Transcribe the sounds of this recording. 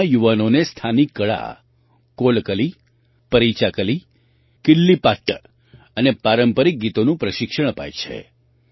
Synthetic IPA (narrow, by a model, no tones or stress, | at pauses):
juʋanonest̪ʰanikːəɭa̰ | kolkəli | pəɾit͡ʃakəli | kɪlːipaʈːə | ənepaɾəmpəɾik̚ɡit̪onũpɾəʃɪkʃəɽ̃əpa̰jt͡ʃʰḛ